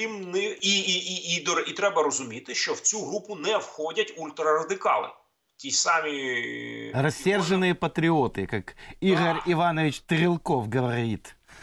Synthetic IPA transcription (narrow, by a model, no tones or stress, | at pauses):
imnɪiiiid̪ɔrit̪ɾɛbɐɾɔzʊmʲit̪ɪʃt͡ʃɔwt͡sʲuɦɾupʊnɛwxɔdʲɐtʲulʲt̪ɾɐɾɐd̪ɪkɑlˠɪ̰ | tʲisɑmʲi | rɐsʲːɛrʒənɨjɐpɐt̪ɾʲɪɔt̪ɪkɐkiɣɐɾʲiʋanɔʋʲɪt͡ʃʲt̪ɨɣɪlˠkɔfɡɐʋɐɾʲit̪